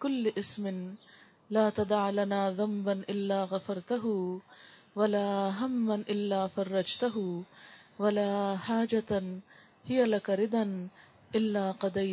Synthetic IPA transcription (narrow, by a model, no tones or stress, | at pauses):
kʊlːɪʔɪsmɪn | laːt̪ɑd̪ˤɑʕlanaːðˤambanʔɪlːaːɣafɑɾˤt̪aɦʊ | walaːɦamːanʔɪlːaːfɑrˤːɑd͡ʒt̪aɦʊ | walaːhaːd͡ʒat̪ | hɪjalakaɾɪd̪ˤan | ʔɪlːaːqɑd̪aj